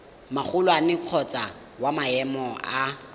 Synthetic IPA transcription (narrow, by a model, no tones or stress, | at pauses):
maχʊlwanɪkʰɔt͡sʼa | wamaɛmɔa